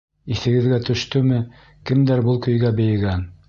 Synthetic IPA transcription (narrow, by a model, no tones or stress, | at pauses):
iθɘ̆ɡɘ̆ðɡæt̪ɵ̆ʃt̪ɵmɘ | kɘ̆md̪æɾbulˠkɵ̆jɡæbɘ̆jɘ̆ɡæn